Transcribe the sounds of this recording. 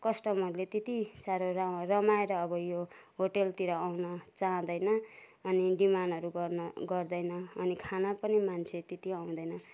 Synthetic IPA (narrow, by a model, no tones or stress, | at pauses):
kʌsʈʌmʌɾulet̪it̪isaɾorarʌmaeɾʌːbʌjoɦoʈelt̪iɾʌawnʌt͡saɦʌ̃d̪ʌjnʌː | niɖimanʌɾuɡʌrnʌɡʌrd̪ʌjnʌːnikʰanapʌnimant͡sʰet̪it̪iʌw̃d̪ʌjnʌ